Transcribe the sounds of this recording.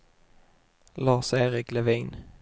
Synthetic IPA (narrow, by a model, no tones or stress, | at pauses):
lɑːseːɾɪklɛviːn